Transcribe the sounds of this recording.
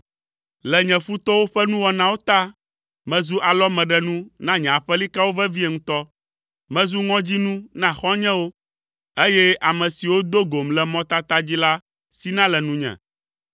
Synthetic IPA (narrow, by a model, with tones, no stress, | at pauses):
lɛ˨ɲɛ̃˨fu˦t̪ɔ˦wo˦ɸɛ˦nũ˦wɔ˨nã˦wo˦t̪a˦ | mɛ̃˨zu˦ʔa˨lɔ˦mɛ̃˨ɖɛ˦nũ˦nã˦ɲɛ̃˨a˨ɸɛ˦li˦ka˦wo˦vɛ˦vi˦e˨ŋũ˦t̪ɔ˦ | mɛ̃˦zu˦ŋɔ̃˦d͡ʑi˦nũ˦nã˦˨xɔ̃˦ɲɛ̃˦wo˦ | e˦jɛ˦ʔa˨mɛ̃˨si˨wo˦d̪o˦ɡo˨mlɛ˨mɔ̃˦t̪a˦t̪a˦d͡ʑi˦la˦ | si˦nã˦lɛ˨nũ˦ɲɛ̰̃˨